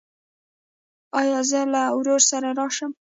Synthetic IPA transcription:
ɑjɑzəlawɾoɾsaɾaɾɑʃəm

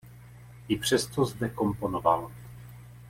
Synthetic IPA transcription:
ʔɪpr̝̥ɛst̪ozd̪ɛko̞mpo̞nova̰l

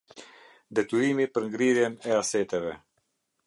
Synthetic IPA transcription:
d̪ɛt̪yɾimipəɾŋɡɾiɾjɛnɛasɛt̪ɛvɛ

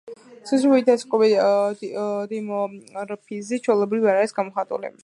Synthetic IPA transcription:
suzɾuid̪askʼɔbi | d̪imɔɾpʰizit͡ʃʰwɛlˠɛbɾiviaɾaɾisɡamɔχat̪ʼṵlḭ

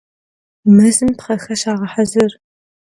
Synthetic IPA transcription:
mɨzɨmtχɐxɐʃaːʁɐħazɨr

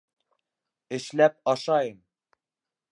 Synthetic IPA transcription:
ɘ̆ʃlæp̚ɑʃɑjɤm

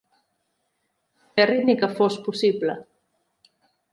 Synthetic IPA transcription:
kerid̪nikəfospusiβlə

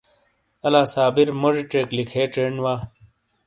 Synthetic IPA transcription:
ɐlaːsaːbiɾmoʐiʈ͡ʂeːklikʰeːʈ͡ʂeːnwaː

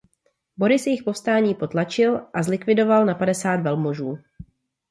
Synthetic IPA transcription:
bo̞ɾɪsjɪxpo̞fst̪aːɲiːpo̞t̪lat͡ʃɪlʔazlɪkvɪdo̞valnapadɛsaːt̪vɛlmoʒuː

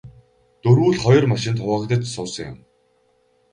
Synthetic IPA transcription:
t̪ɵɾuːɮχɔjɞ̆rmaʃɪ̆nt̪χʰʊə̆kt̪ə̆t͡ɕsʊːsə̆ŋjʊ̰m

